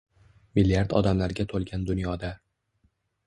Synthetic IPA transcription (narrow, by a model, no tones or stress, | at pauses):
mɪlːijaɾd̪ɒ̰d̪amlaɾɡʲat̪ʰolˠɡʲand̪ʊnjɒd̪a